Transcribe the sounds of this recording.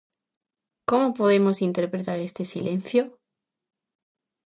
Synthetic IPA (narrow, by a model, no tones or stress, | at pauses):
ko̞mopo̞ðe̞mo̞sint̪e̞ɾpɾet̪aɾe̞st̪e̞sile̞n̟θjo